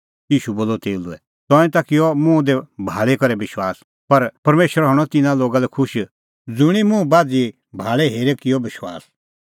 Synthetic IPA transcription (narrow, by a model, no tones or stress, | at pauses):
jiːʃuboːlɔt̪eːluɛ | t̪ɔːɛ̃t̪akɪjɔmũd̪ɛbʱaːɭɛkɐɾɛbɪʃwaːs | pɐɾpɐɾmeːʃəɾɦɐɽ̃ɔt̪ɪnãloːɡalɛkʰʊʃ | d͡zʊɽ̃imũbaːd͡zi | bʱaːɭɛɦeːɾɛkɪjɔbɪʃwa̰ːs